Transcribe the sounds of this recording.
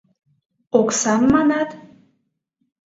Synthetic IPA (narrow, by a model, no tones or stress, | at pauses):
oksɑmːɑnɑt̪